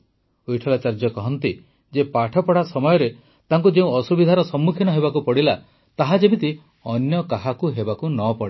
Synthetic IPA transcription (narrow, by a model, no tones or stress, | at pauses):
ojʈʰɔlat͡ʃaɾd͡ʒɔkɔɦɔnt̪i | d͡ʒepaʈʰɔpɔɽasɔmɔjɔɾe | t̪aŋkud͡ʒeũɔsubid̪ʱaɾɔsɔmːukʰinɔɦeβbakupɔɽila | t̪aɦad͡ʒebit̪i | ɔnjɔkaɦakuɦebakunɔpɔɽe